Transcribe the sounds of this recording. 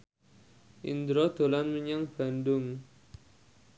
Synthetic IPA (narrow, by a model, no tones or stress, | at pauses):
ḭnd̪ɾɔd̪̥o̤lanməɲaŋb̥a̤ndʊŋ